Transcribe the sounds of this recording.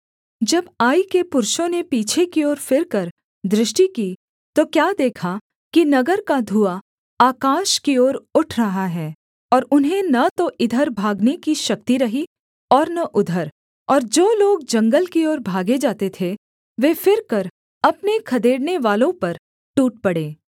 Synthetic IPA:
d͡ʒɐbaːikepʊɾʃõnepiːt͡ʃʰekioːɾfɪɾkɐɾ | d̪ɾɪʃʈikiː | t̪okjaːd̪eːkʰa | kinɐɡəɾkad̪ʱua | aːkaːʃkioːɾʊʈʰɾɐɦaɦɛː | ɔːɾʊnɦẽnɐt̪oʔɪd̪ʱəɾbʱaːɡnekiʃɐk̚t̪iɾɐɦi | ɔːɾnɐʔʊd̪ʱəɾ | ɔːɾd͡ʒoːloːɡd͡ʒɐ̃ŋɡəlkiɔːɾbʱaːɡed͡ʒaːt̪et̪ʰe | ʋeːfɪɾkɐɾ | ɐpnekʰɐd̪eːɽneʋaːlõpɐɾ | ʈuːʈ̚pɐɽeː

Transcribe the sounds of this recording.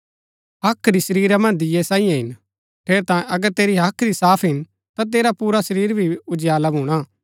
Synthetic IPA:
ɦɐkʰːɾisɐɾiːɾamɐ̃nd̪ɪjɛsãːĩjãɦɪn | ʈʰeːɾt̪aːjẽʔɐɡəɾt̪eːɾiɦɐkʰɾisaːpʰɦɪn | t̪at̪eːɾapuːɾasɐɾiːɾbʱiʊd͡ʒɪjaːlabʱuːɽ̃a

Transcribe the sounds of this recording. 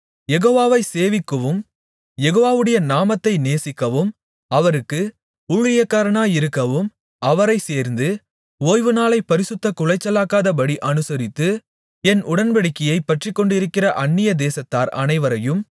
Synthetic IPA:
jɛɣoːʋaːʋɐɪseːʋɪkːɐʋɯm | jɛɣoːʋaːʋɯɽɐjɐnaːmɐt̪ːɐɪneːsɪkːɐʋɯm | ɐʋɐɾɯkːɯ | uɻɪjɐkːaːɾɐɳaːjɪɾɯkːɐʋɯm | ɐʋɐɾɐɪseːɾnd̪ɯ | oːjʋɯnaːlɐɪpːɐɾɪsɯt̪ːɐkʊlɐɪt͡ʃːɐlaːkaːðɐpɐɽiʔɐnɯsɐɾɪt̪ːɯ | ɛnʔʊɽɐnbɐɽɪkːɪjɐɪpːɐʈrɪkːɔɳɖɪɾɯkːɪrɐʔɐɳːɪjɐd̪eːsɐt̪ːaːɾɐ̰nɐɪʋɐɾɐjɯm

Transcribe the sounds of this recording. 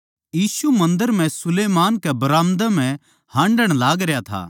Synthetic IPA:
jiːsumɐ̃nd̪əɾm̤ɛ̃sʊleːmaːnkɛbɐɾaːmd̪ɛmɛ̃ | hãːɳɖəɽ̃laːɡɾejat̪ʰa̰ː

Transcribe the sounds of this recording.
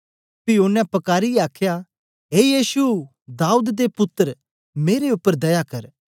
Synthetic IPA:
pɪoːnːɛ̃pɐkaːɾiɛaːkʰja | ɦeːjiːsu | d̪aːud̪d̪epʊt̪ːəɾ | meːɾeʊpːəɾd̪ɐjakɐɾ

